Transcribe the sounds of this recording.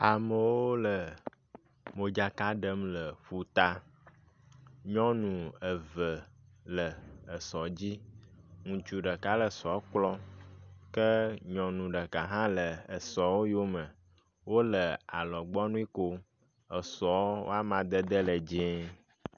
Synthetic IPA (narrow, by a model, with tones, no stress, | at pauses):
a˨mə˨wo˦lə˨ | mo˨d͡ʒa˨ka˦ɖə˦mlə˨ɸu˨t̪a˦ | ɲɔ̃˦nũ˨ə˨və˨ | lə˨ə˨sɔ˨d͡ʑi˦ŋũ˨t͡ʃu˨ɖə˨ka˦lə˨sɔ˨˦k͡plɔ˦ | kə˦ɲɔ̃˨nũ˨ɖə˨ka˨ɦã˦lə˨ə˨sɔ˨wo˦jo˦mə̃˨ | wo˦lə˨a̰˨lɔ˨ɡ͡bɔ˦nũ˦i˦ko˦ | ə˨sɔ˨˦wo̰˦a˦mã˨d̪ə˦d̪ə˦lə˨d͡ʒẽ˦